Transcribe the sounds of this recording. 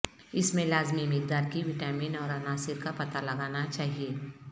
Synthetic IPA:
ɪsmẽlaːzmimɪk̚d̪aːɾkiʋɪʈaːmĩːnɔːɾɐnaːsɪɾkapɐt̪alɐɡaːnat͡ʃaːɦieː

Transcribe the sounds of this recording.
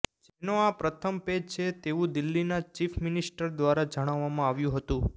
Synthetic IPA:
d͡ʒenoapɾət̪ʰəmped͡ʒt͡ʃʰet̪eʋũd̪ɪlːinat͡ʃifʰmɪnɪsʈəɾd̪ʋaɾad͡ʒəɽ̃aʋːamãaʋjũɦət̪ũ

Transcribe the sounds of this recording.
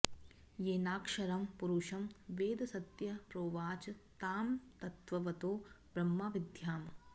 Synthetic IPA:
jeːnaːkʂɐɾɐmpuɾuʂɐmʋeːd̪ɐsɐt̪jɐpɾoːʋaːt͡ʃɐt̪aːmt̪ɐt̪ʋɐʋɐt̪oː | b̥ɾɐmːaːʋid̪ʱjaːm

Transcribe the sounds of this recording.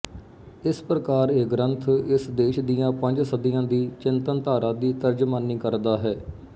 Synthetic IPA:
ɪspɾəkaːɾeɡɾənt̪ʰɪsd̪eːʃd̪ijãːpə̃ɲd͡ʒsəd̪ijãːd̪iːt͡ʃɪnt̪ənt̪aːɾãːd̪iːt̪əɾd͡ʒmaːnːiːkəɾd̪aːɦɛː

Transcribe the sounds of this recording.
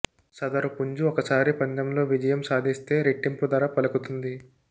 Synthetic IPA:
sɐd̪ɐɾupuɲd͡ʒuɔkɐsaːɾipɐɲd̪ɐmlo̞ːʋid͡ʒɐjɐmsaːd̪ʱist̪e̞ːɾeʈːimpud̪ɐːɾapɐlɐkut̪und̪i

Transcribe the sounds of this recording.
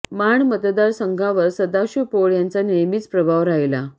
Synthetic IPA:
maɳmət̪d̪aɾsəŋɡʱaʋəɾsəd̪aɕupoɭjant͡sanejmiːt͡spɾəbʱaʋɾaɦjla

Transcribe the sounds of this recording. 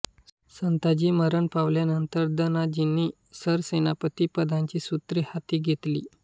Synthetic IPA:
sənt̪ad͡ʑiːməɾəɳpaʋljanənt̪əɾd̪ənad͡ʑinːiː | səɾsenapət̪iːpəd̪ʱãɲt͡ɕiːsut̪ɾihat̪iːɡʱet̪lḭː

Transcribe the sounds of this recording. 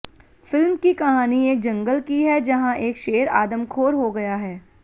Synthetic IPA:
fɪlmkikɐɦaːnieːk̚d͡ʒɐ̃ŋɡəlkiɦɛd͡ʒɐɦãʔeːkʃeːəɾa̰ːd̪əmkʰoːɾɦoɡɐjaɦɛː

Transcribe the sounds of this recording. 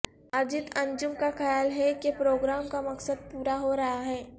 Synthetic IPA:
ɐɾd͡ʒɪt̪ɐ̃ɲd͡ʒʊmkaxɐjaːlɦɛkepɾoːɡɾaːmkamɐksəd̪̚puːɾaɦoɾɐɦaɦɛː

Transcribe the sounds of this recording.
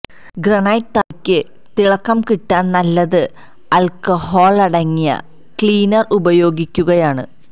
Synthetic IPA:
ɡrɐnɐjt̪ːakʲːɨ | t̪iɭɐkːɐmkiʈːaːnnɐlːɐðɨ | ɐlkɐhoːɭɐɽɐŋːijɐ̰ | kɭiːnɐrubɐjo̞ːɡikʲːuɣɐjaːɳɨ

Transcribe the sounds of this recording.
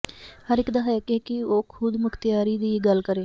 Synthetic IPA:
həɾɪkd̪ɐɦɛkekɪoːkʰʊd̪mʊkʰt̪ɪjaːɾiːd̪iːɡəlkəɾẽː

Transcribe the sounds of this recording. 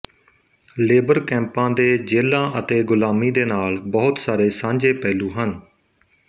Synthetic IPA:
leːbəɾkɛ̃ːmpãːd̪eːd͡ʒeːlãːʔət̪eːɡʊlaːmiːd̪eːnaːlbɔːʊt̪saːɾeːsãːɲd͡ʒeːpɛːluːɦən

